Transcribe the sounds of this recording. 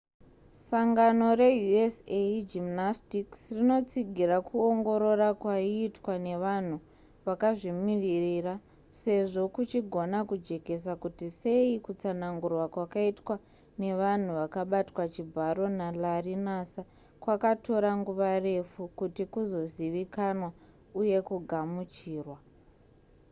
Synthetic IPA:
saŋɡano̞re̞juesed͡ʒimnastiksrino̞t͡siɡʱirakuoŋɡo̞ɾo̞rakwaiːtwane̞ʋan̤u | ʋakaʐimiririra | se̞ʐo̞kut͡ʃiɡʱo̞nakud͡ʒe̞ke̞s̬akutise̞ikut͡sanaŋɡurwakwakaitwa | ne̞ʋan̤uʋakaɓatwat͡ʃibʱaɾo̞nalarinasa | kwakato̞ɾaŋɡuʋare̞fukutikuzo̞ziʋikanwa | uje̞kuɡʱamut͡ʃiːrwa

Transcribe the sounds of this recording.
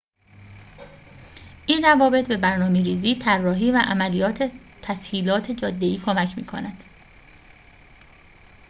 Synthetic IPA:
ʔiːnrævɒːbe̞t̪̚be̞bæɾnɒːmeɾiːziːt̪ʰærːɒːɦiːvæʔæmælijɒːt̪ʰet̪ʰæshiːlɒːt̪ʰe̞d͡ʒɒːd̪ːe̞iːkʰomæcʰmḭːkʰo̰næd̪̥

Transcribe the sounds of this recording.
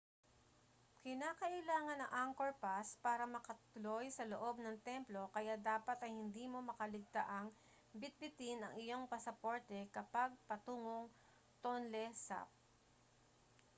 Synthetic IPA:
kɪnaːkɐʔɪlaːŋɐnɐŋʔaŋkoɹpaspaːɾɐmɐkɐt̪ʊlojsɐloʔo̞b̚nɐŋt̪ɛmplo̞kɐjad̪aːpɐt̪ɐjhɪnd̪iːmo̞mɐkɐlɪɡ̚t̪aʔɐŋ | bɪt̪̚bɪt̪ɪnɐ̰ŋʔɪjo̞ŋpɐsɐpo̞ɹt̪ɛkɐpaɡ̚pɐt̪uːŋoŋ | t̪onlɛsa̰p̚

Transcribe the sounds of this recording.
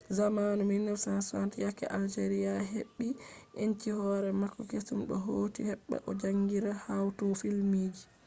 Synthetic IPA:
zamanuminːɔsansantjakːɛ̰ʔald͡ʒeɾijaɦeɓːiʔeɲt͡ʃihɔɾɛmakːɔkesumɗɔɦoːtihɛɓːɛ̰ʔɔd͡ʒaŋɡiɾahawtɔfilmiːd͡ʒi

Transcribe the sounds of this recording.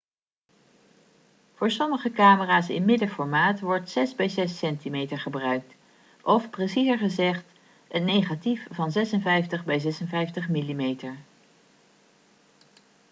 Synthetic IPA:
v̥ʊːɹsɔməχəkaːməraːsɪ̰nmɪdəfɔɹmaːtʋɔɹtsɛzbɛjzɛsɛntimejtəɹχəbrœɥk̚t | ʔɔfpresizəɹχəzɛχt | ətnejχatifvɑnzɛsənvɛjftəχbɛjzɛsənvɛjftəχmilimejtəɹ

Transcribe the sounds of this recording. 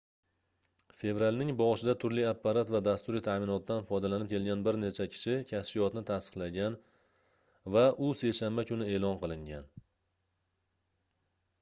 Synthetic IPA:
fe̞vɾalʲnɪŋbɒʁɨʃɪd̪at̪ʰʊɾlɪapːaɾat̪vad̪ast̪ʊɾit̪ʰamɪnɒt̪̚ːanfɒjd̪alanɪp̚kʲʰe̞lɡʲanbɪɾnet͡ʃʰakʲʰɪ̥ʃɪkʲʰasfɪjɒt̪nɪt̪ʰast̪ɨ̥qlˠaɡʲan | vaʔʊse̞jʃambakʲʰʊnɪe̞ːlˠɒnqɨlˠɪŋɡʲan

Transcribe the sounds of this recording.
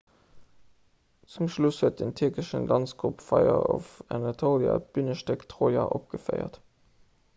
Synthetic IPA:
t͡sumʃlushət̚dentʰyɐkəʃənlɑnsɡ̥ʁupfɑɪɐɔfænɑtʰoljɑ̰b̥ynəʃtɛktʰʁoːjɑʔɔp̚ɡ̥əfəɪə̰t

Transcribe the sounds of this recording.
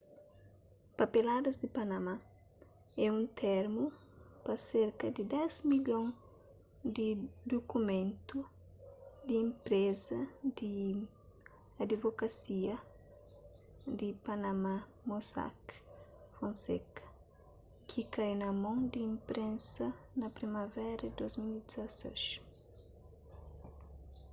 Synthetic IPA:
pɐpelad̪ɐzd̪ipanɐma | ɛũnt̪ʰeɾmu | pɐseɾkɐd̪id̪ɛzmiʎõŋ | d̪id̪okumẽnt̪u | d̪ĩːmpɾezɐd̪i | ad̪ivokɐsiɐ | d̪ipanama | mosa̰k | fõnsekɐ̥ | kʰikajnɐmõŋd̪ĩːmpɾẽnsɐnɐpɾimavɛɾɐd̪ozmilid̪zaso̰ʃ

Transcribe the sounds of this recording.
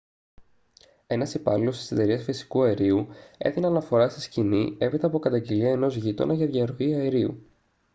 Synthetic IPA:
e̞nɐsipɐlilo̞st̪i̥set̪e̞ɾiɐsfisi̥kuɐeɾiue̞̰θinɐnɐfo̞ɾɐsiscinie̞pit̪ɐpo̞kɐt̪ɐɲɟe̞liɐeno̞zʝit̪o̞̰nɐʝɐðʝɐɾo̞iɐeɾiṵ

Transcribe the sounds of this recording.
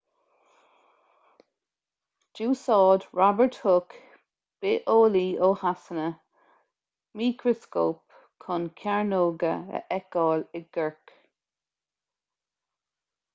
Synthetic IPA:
d͡ʒ̥uːsɑːd̪ɹabəɹthʊk | b̥eʔoːliːoːhasənə | miːkʰɹəskoːp | kʰʊnkʰaɹnoːɡəə̰ʔɛk̚ɑːlɪɡ̥əɹk

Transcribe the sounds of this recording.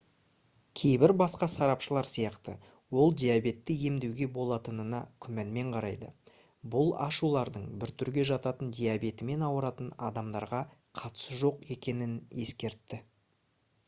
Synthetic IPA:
kʲʰe̞jbɪɾbɑsqɑsɑɾɑpʃəlˠɑɾsijɑqt̪ə | wo̞lˠd̪ijabe̞t̪ːɪje̞md̪e̞wɡʲe̞bo̞lˠɑt̪ənənɑkʲʰʏmænme̞ɴqʰɑɾɑjd̪ə | bʊlˠɑ̰ʃulˠɑɾd̪əɴbɪɾt̪ʰʏɾɡʲe̞ʒɑt̪ɑt̪ənd̪ʲijabe̞t̪ɪme̞nɑwəɾɑt̪ənɑd̪ɑmd̪ɑɾʁɑ | qʰɑt̪ə̥səʒo̞qe̞kʲe̞nɪne̞skʲe̞ɾt̪ːɪ

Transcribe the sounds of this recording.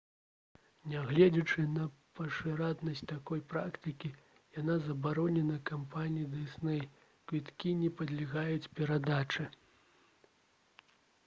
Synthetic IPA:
nʲaɣlʲɛd͡zʲɛt͡ʂɨnɐpɐʂɨɾad̪nɐsʲt͡sʲt̪akɔjpɾakt̪ɨkʲi | janazɐbaɾɔnʲɛnɐkampanʲijid̪ɨsnɛj | kvʲit̪kʲinʲɛpɐd̪lʲiɣajut͡sʲpʲɛɾad̪at͡ʂɨ

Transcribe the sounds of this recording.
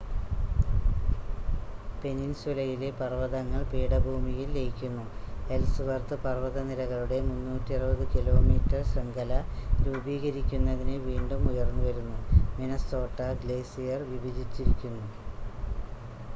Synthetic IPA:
pe̞ninsulɐjile̞pɐrʋɐðɐŋːɐɭpeːɽɐbʱuːmijilːejikʲːunːue̞lsɨʋɐrt̪ɨpɐrʋɐðɐnilɐɣɐɭuɽe̞munːuːtːiɐrɨbɐðɨkilo̞ːmiːtːɐrsɐŋɡʱɐlɐɾuːbiːɣɐɾikʲːunːɐðinɨʋiːɳɖumujɐrnːuʋɐɾunːuminɐso̞ːʈːɐɡleːsijɐrʋibʱid͡ʑit͡ɕːiɾikʲːunːu

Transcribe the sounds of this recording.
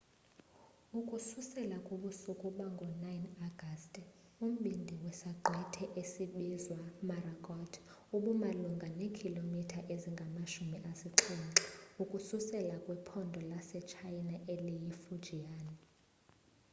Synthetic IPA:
ukʼususɛlakʼoɓusukʼuɓaŋɡʱɔnajnaɡ̥ʱastʼum̩ɓindʱiwɛsaǃʱwɛtʰɛʔesiɓizwamarakʼɔtʰ | uɓumaluŋɡʱanekʰilomitʰaʔeziŋɡʱamaʃumiʔasiǁʰiŋǁiukʼususɛlakʼwɛpʰɔndʱɔlasɛt͡ʃʰajnaʔelijifu̥d͡ʒ̥ʱiaːni

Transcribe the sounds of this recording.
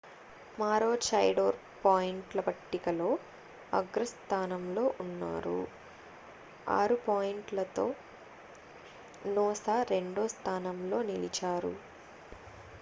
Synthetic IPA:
maːɾoːt͡ʃɐjɖoːɾ | paːjiɳʈlɐbɐʈːikɐlo̞ː | ɐ̰ɡɾɐst̪ʰaːnɐmlo̞ːʔunːa̰ːɾṵ | a̰ːɾupaːjiɳʈlɐt̪o̞ː | nɔːsaɾe̞ɳɖoːst̪ʰaːnɐmlo̞ːnilit͡ʃaːɾṵ

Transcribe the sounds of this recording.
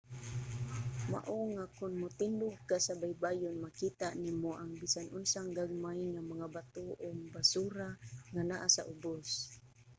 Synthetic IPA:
ma̰ʔoŋakʊnmʊt̪ɪndʊɡ̚kasabajbajʊnmakit̪animoʔaŋbisanʔʊnsaŋɡaɡ̚majŋamaŋabat̪oʔʊŋbasuɾaŋanaʔasa̰ʔʊbos

